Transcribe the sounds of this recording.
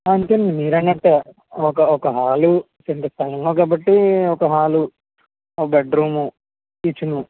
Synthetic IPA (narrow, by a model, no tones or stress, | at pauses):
aɐnt̪enimiːɾɐnːɐʈːe | ɔkɐɔkɐɦaːlu | seɳʈɐst̪ʰɐlɐŋɡoːɡaːbɐʈːiɔkɐɦaːlu | ɔkɐbeɖɖɾuːmu | it͡ʃːunu